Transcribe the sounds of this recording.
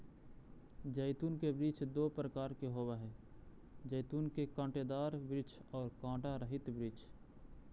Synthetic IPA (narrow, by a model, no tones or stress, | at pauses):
d͡ʒɛːt̪uːnkebɾiːt͡ʃd̪oːpɾəkaːɾkeɦoːwaɦɛː | d͡ʒəːt̪uːnkekãːʈeːd̪aːɾbɪt͡ʃʰɔːɾkãːʈaɾəɦɪt̪bɾiːt͡ʃ